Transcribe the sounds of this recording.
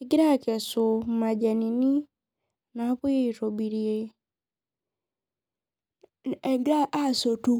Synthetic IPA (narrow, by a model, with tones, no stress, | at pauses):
ɡɪ˦ɾa˦˨kɛ˨so˨ma˨d͡ʒa˨ni˨ni˦ | na˨˦pʊ˦je˦i˨to˨bi˨ɾi˨e˦ | ɛ˨ɡɾa˦ʔa˦˨so˨tu˦